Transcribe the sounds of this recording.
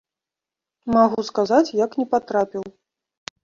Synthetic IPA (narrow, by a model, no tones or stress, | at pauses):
maɣuskazat͡sʲjaknʲɛpat̪ɾapʲiw